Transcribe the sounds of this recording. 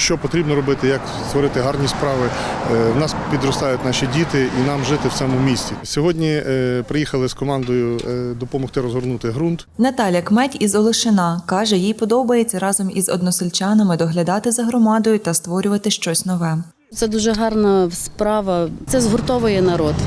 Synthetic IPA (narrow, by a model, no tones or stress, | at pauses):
ʃt͡ʃɔpɔt̪ɾʲibnɔɾɔbɪt̪ɪjɐk | st̪ʋɔɾɪt̪ɪɦɑrnʲispɾɑʋɪwnɑspʲid̪ɾɔst̪ɑjʊtʲnɑʃʲidʲit̪ɪinɑmʒɪt̪ɪw̪sɛmʊmʲisʲt͡sʲisʲɔɦɔdʲnʲipɾɪjixɐlˠɪskɔmɑnd̪ɔjʊd̪ɔpɔmɔxt̪ɪɾɔzɦɔrnut̪ɪɦɾunt̪nɐt̪ɑlʲjɐkmɛtʲizɔlˠɪʃɪnɑkɑʒɛjijpɔd̪ɔbɐjet͡sʲːɐɾɑzɔmizɔ̰d̪nɔsɪlʲt͡ʃɑnɐmɪd̪ɔɦlʲɐd̪ɑt̪ɪzɐɦɾɔmɑd̪ɔjʊt̪ɐst̪ʋɔɾʲʊʋɐt̪ɪʃt͡ʃɔsʲnɔʋɛ | ɛd̪uʒɛɦɑrnɐspɾɑʋɐɛzɦɔrt̪ɔʋʊjɛnɐɾɔd̪